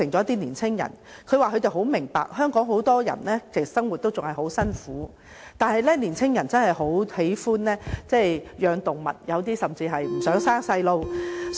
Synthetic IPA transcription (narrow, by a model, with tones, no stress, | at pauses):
ɪ˨˩ŋt͡ɕɔ˨˦jɐ˥t̪iː˥niː˨˩nt͡sʰɪ˥ŋjɐ̰˨˩n | kʰɵ˨˧ɥwaː˨˧kɵ˨˧t̪e˨jɦo˨˥wmɪ˨˩ŋpa̰ː˨k̚hœː˥ŋkɔː˨˥ŋɦo˨˥wt̪ɔː˥jɐ̰˨˩nlɛː˥kɪ˨˩sɐ˥ŋwu˨t̪o˥wt͡sʊ˨ŋhɐ˨jhɦo˨˥wsɐ˥nfuː˨˥ | t̪aː˨nhɐ˨jlɛː˥niː˨˩nt͡sʰɪ˥ŋjɐ˨˩nt͡sɐ˥nhɐ˨˩jho˨˥whe˨˥jfuː˥nlɛː˥t͡sɛː˥˩jjœː˨˧ŋt̪ʊ˨˩ŋmɐ̰˨t̚jɐ˨˧wt̪̬iː˥sɐ˨mt͡siː˧ɦɐ˨jm̩˨˩sœː˨˥ŋsaː˥ŋsɐ˧jlo˧w